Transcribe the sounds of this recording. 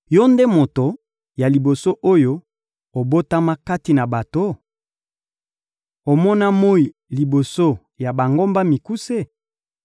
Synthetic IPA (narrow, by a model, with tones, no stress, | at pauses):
jo˦nde˦mo˨to˨ | ja˨li˨bo˨so˦ʔo˦jo˦ | o˨bo˦ta˦ma˦ka˦ti˨na˨ba˨to˦ | o˨mɔ˦na˦mo˦i˨ | li˨bo˨so˦ | ja˨ba˨ŋɡo˦mba˦mi˨ku˦se˦